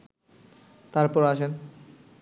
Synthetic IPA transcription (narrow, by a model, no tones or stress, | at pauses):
t̪aɾpɔɾaʃen